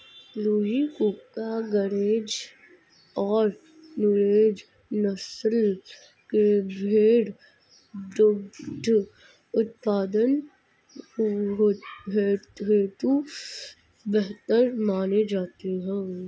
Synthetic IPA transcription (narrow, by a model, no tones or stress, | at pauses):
luːɦikuːkaɡəɾeːd͡ʒ | ɔːɾ | nʊɾeːd͡ʒ | nəsəl | kebʱeːɽ | d̪ʊɡd̪ʱ | ʊt̪̚paːd̪ən | ɦ̪bʱeːɽt̪eːt̪u | bɛɦt̪əɾmaːned͡ʒaːt̪eɦɛ̃ː